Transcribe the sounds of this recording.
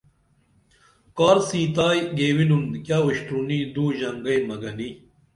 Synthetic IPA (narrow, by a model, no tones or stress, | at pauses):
kaːɾsĩːt̪aːjɡeːwinunkʲjaːuɕʈuniːd̪uːʑɐŋɡɐjmɐɡɐniː